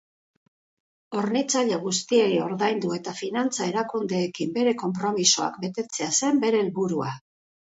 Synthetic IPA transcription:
o̞ɾnit͡saʎe̞ɣ̞ust̪iejo̞ɾðajnd̪ue̞t̪afinant͡sae̞ɾakund̪e̞ːkimbe̞ɾe̞ko̞mpɾo̞misoa̰kbe̞t̪e̞t͡se̞ase̞mbe̞ɾe̞ːlβuɾua̰

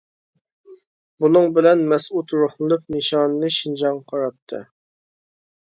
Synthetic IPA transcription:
bunɨŋbɪlɛnmɛsut̪ɾuχnɨlˠɨp̚nɨʃɑːnɨnɨʃind͡ʒɑŋqʰɑɾɑt̪ʰːɨ̰

